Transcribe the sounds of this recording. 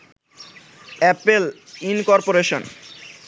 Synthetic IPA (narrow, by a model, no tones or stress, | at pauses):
ɛpelinkɔɾpoɾeʃon